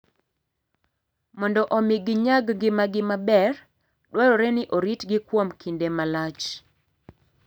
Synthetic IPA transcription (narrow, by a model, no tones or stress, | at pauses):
mɔndɔʔɔmɪɡɪɲaɡɡɪmaɡɪmabɛr | dwaɾɔɾɛnɪʔoɾitɡɪkwomkʰindemalat͡ʃ